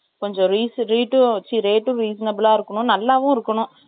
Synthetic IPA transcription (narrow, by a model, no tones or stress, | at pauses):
kɔɲd͡ʒɔ̃ɾiːsɾiːʈːɯt͡ʃːiɾeːʈːʊ̃ɾiːsɐnɐbɪlaːɪɾɯkːɐɳʊ̃nɐlːaːʋʊ̃ɪɾɯkːɐɳʊ̃